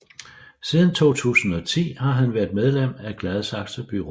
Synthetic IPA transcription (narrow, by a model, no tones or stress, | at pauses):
siːð̞ˠn̩t͡sʰo̝̰ːt͡sʰṵːsn̩ɒ̽t͡sʰḭːhɑ̈ɦænʋæɐðˠmeð̞ˠlem̰æɡ̥læð̞ˠsɑ̈ɡ̥səb̥yʁo